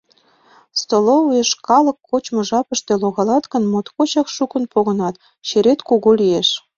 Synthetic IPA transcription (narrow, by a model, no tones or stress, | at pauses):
st̪oloueʃkɑlɤ̆kːot͡ɕmɤ̆ʒɑpə̆ʃt̪eloɣɑlɑt̪kə̆nmot̪kot͡ɕɑkʃukə̆npoɣɤ̆nɑt̪ | t͡ɕeɾet̪kuɣolijeʃ